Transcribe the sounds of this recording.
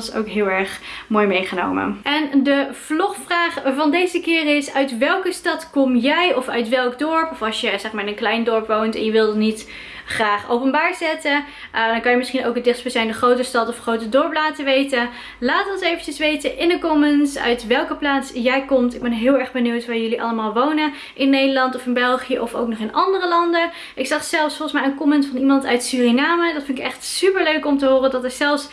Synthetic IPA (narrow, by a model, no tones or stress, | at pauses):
so̰wkɦɪːlˠɛɹχmoːjmejχəno̰wmə̰ɛndəv̥lɔχfraːχvɑndejzəkɪːrɪsœɥtʋɛlˠkəstɑtkɔmjɛjɔfœɥtʋɛlˠɡdɔɹpɔfɑsjəzɛχmaːɹɪnənklɛjndɔɹpʋowntɛ̰njəʋɪlˠdɑtnit | χraːχowpənbaːɹzɛtə | dɑŋkɑnjəmɪsχinowkədɪχsbəsɛjndəχrowtəstɑtɔfχrowtədɔɹplaːtəʋejtə | laːtɔnsejvəcəsʋejtəʔɪnəkɔmənsœ̰ɥtʋɛlˠkəplaːtsjɛjkɔmtɪɡ̚bɛnɦɪːlˠɛɹχbəniwtʋaːɹjɵliʔɑ̰ləmaːlˠʋownə | ʔɪnːejdəlɑntɔfɪnbɛlˠχijəʔɔfo̰wk̚nɔχɪnʔɑndərəlɑndə | ʔɪksɑχsɛlˠfsfɔlˠχəsmɛjənkɔmənsfɑnimɑntœɥtsyːrinaːmədɑtfɪntɪkɛχtsypəɹløɥkɔmtəɦʊːrədɑtəz̥ɛlˠfs